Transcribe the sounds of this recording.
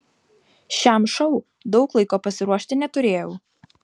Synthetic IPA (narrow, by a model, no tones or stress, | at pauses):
ʃʲæmʃɔʊ | d̪ɒʊklˠɐɪkoːpɐsʲɪɾuɔʃʲt̪ʲɪnʲɛt̪ʊɾʲeːjɛʊ